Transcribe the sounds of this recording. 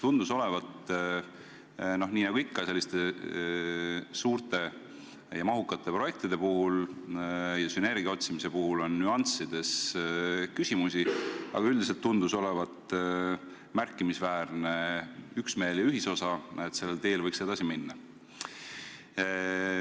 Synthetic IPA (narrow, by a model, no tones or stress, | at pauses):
t̪und̪̥uso̞le̞vɑt̪ | no̞hniːnɑɡuikːɑse̞lːist̪e̞ | suːɾt̪e̞ | jɑmɑɦukːˑɑt̪ːˑe̞pro̞je̞k̚t̪id̪̥e̞puɦul | jɑsyne̞rɡiɑo̞t̪simise̞puhulo̞nːyɑnt̪sid̪̥e̞s | kysʲimusʲiɑ̰ɡɑyld̪ise̞lt̪ːund̪̥uso̞le̞vɑt̪ˑ | mærkˑːimisvæːɾneyksme̞ːljɑyɦiso̞sɑet̪se̞lːelt̪e̞ːlvɤjkse̞d̪ɑsiminːɑ